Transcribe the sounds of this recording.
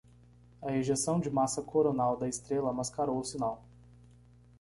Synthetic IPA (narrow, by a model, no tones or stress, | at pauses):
ɐeʒesɐ̃w̃d͡ʒɪmasɐkʰoɾonawd̪ɐɪst̪ɾelɐmaskaɾowʊsinaw